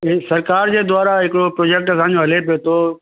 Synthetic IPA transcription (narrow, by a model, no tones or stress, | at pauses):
sɐɾkaːɾd͡ʑeːd̪ʊaːɾaɦɪkɪɽopɾoːd͡ʑeːk̚ʈsãːɲ̆d͡ʑoɦɐlepijot̪ʰo